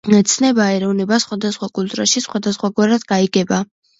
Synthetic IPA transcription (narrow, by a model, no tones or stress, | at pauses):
ɛt̪sʰnɛbaɛɾɔvnɛbasχwad̪asχwakʼult̪ʼɾaʃisχwad̪asχwaɡwaɾad̪ɡaiɡɛba